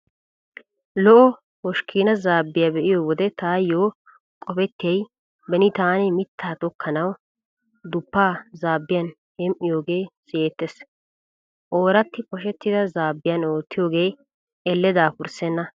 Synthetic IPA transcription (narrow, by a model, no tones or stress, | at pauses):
lɔʔɔ | wɔʃkʰiːnɐzaːbːɪjaːbɛʔɪjoːwɔd̪ɛt̪aːjːoː | kʼɔpɛt̪ːɪjɐj | bɛnɪt̪aːnɛmɪt̪ːaːt̪ɔkʰːɐnɐw | d̪ʊpːaːzaːbːɪjɐn | hɛmʔɪjo̞ːɡe̞ːsɪeːt̪ːes | ʔoːɾɐt̪ːɪkɔʃ̬ɛt̪ːɪd̪ɐzaːbːɪjɐnoːt̪ːɪjo̞ːɡe̞ː | ɛlːɛd̪aːpʊɾsɛnːɐ